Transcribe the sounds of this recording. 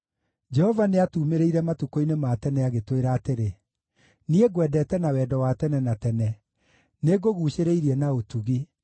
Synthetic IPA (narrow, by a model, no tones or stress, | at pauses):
d͡ʒɛhɔvaneatuːmeɾeiɾɛmatukoinematɛnɛaɣetweɾaːteɾe | nieɡwɛːdɛtɛnawɛdɔwatɛnɛnatɛnɛ | neɡoɣuːʃeɾeiɾiɛnaotuɣi